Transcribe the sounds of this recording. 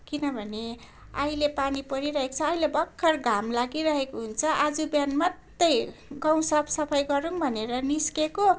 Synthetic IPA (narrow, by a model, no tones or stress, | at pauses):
kinʌbʱʌne | ʌjlepanipʌɾiɾʌɦekt͡sʰʌːjlebʌkʰːʌrɡʱamlaɡiɾʌɦekoɦunt͡sʰʌʔad͡zubjanmʌt̪ːʌjɡãw̃sapʰsʌpʰʌjɡʌɾuŋbʱʌneɾʌniskeko